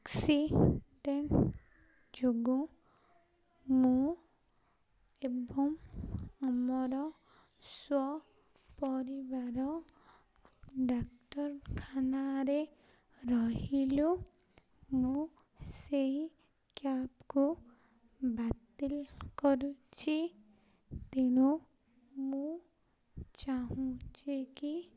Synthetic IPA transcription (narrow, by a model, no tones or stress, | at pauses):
aksiɖeɳʈ | d͡ʒoɡu | mũ | ebɔmɔmɔɾɔ | swɔ | pɔɾibaɾɔ | ɖak̚tɔɾkʰanaɾe | ɾɔɦilu | mũ | sei | kjapku | bat̪ilkɔɾut͡ʃʰi | t̪iɽ̃u | mũ | t͡ʃaɦũt͡ʃʰiki